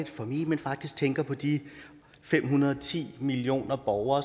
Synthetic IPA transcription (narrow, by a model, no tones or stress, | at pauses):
id̥fɒ̽mḭːmenfɑ̈ɡ̥̚d̥isɡ̥̚t͡sʰeŋɡ̥ɐpʰɒ̽d̥i | fem̰ɦunɐð̞ˠɒt͡sʰḭːmilio̝̰ːnɐb̥ɒʊɐː